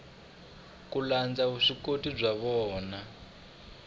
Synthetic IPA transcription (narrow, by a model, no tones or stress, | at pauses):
kuland͡zaɦuʂikotib͡ʐʷaβɔːna